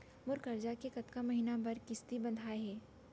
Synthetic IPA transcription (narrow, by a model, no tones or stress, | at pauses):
mʊɾkɐɾd͡ʒakekɐt̪kamɐɦinabɐɾkɪst̪ibɐ̃nd̪ʱaːeɦɛː